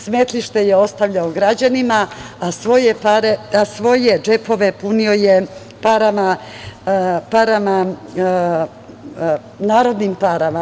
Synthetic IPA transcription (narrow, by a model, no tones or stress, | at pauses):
sme̞t̪liʃt̪e̞jeo̞st̪aʋʎaoɡɾad͡ʑanimaː | sʋo̞jepaɾeasʋo̞jed͡ʒe̞po̞ʋe̞punio̞je | paɾama | paɾama | naːɾo̞d̪nimpaɾama